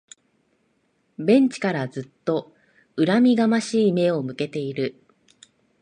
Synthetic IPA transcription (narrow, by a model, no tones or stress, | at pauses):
bẽ̞ɲ̟t͡ɕi̥kaɾazɨt̪ːo̞ | ɯ̟ɾamʲiɡamaɕiːme̞o̞mɯ̟ke̞t̪e̞iɾɯ̟